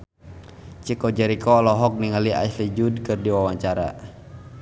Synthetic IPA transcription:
t͡ʃikɔd͡ʒɛɾikɔlɔɦɔk̚niŋalia̰islid͡ʒudkɨrdiwawaɲt͡ʃaɾa̰

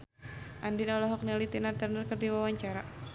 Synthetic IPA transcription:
ʔandinɔlɔɦɔk̚nɛlit̪inart̪ərnərkərdiwawaɲt͡ʃaɾa

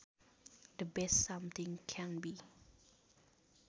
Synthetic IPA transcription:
dəbɛstsãmt̪ĩŋkʰɛ̃nbi

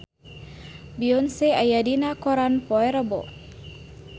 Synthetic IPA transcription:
biɔnseajadinakɔɾanpɔɛɾəbɔ̰

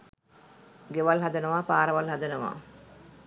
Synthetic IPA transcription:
ɡeʋɐlɦad̪ɐnɐʋaːpaːɾɐʋɐlɦad̪ɐnɐʋa̰ː

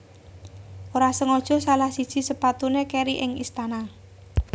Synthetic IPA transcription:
ʔoɾasəŋɔd̥ʒ̥ɔ̤salahsid̥ʒ̥i̤səpat̪unekeɾiʔɪŋist̪ana

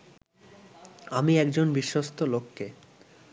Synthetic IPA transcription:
amiɛkd͡ʑonbiʃːost̪ʰolokʰːe

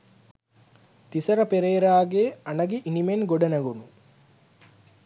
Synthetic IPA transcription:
t̪isɐɾəpeɾeːɾaːɡeanɐɡiʔinimenɡoɖɐnəɡunu

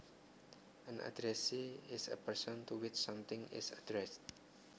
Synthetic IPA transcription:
ãnʔa̰dɾɛsiɪsə̰pəɹsɔ̃nt̪uwɪt͡ʃsʌ̃mt̪ɪ̃ŋɪ̰sadɾɛst̚

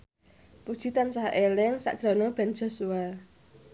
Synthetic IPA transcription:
pud̥ʒ̥i̤t̪ansahelɪŋsa̰ʔd̥ʒ̥ɾɔ̤nob̥ɛ̤nd͡ʒ̥ɔ̤sua

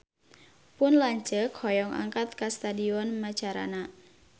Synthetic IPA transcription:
pʊnlaɲt͡ʃəkhɔjɔŋʔa̰ŋkat̪̚kast̪adiɔnmat͡ʃaɾa̰na

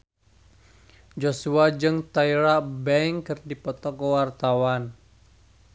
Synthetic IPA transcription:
d͡ʒosuad͡ʒɨŋt̪aiɾabɛŋkɨrdipɔt̪ɔkəwart̪awan

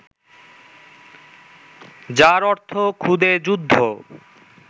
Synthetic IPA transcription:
d͡ʑaɾɔɾt̪ʰokʰud̪ed͡ʑud̪ʱːo

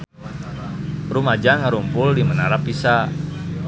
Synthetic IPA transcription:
rumad͡ʒaŋaɾumpʊldimənaɾapisa

